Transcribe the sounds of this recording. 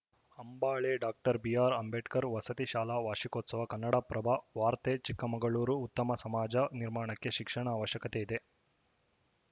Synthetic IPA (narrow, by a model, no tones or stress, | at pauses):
hɐmbaːɭeɖaːk̚ʈɐɾbijaːɾɐmbeʈkɐɾʋɐsɐt̪iʃaːlaːʋaːʂikoːt̪sɐʋɐkɐnːɐɽapɾɐbʱaʋaːɾt̪et͡ʃikːɐmɐŋɡɐɭuːɾuːt̪ːɐmɐsɐmaːd͡ʒɐniɾmaːɳɐkːe̞ʃikʂɐɳaaːʋɐʃjɐkɐt̪e̞id̪e̞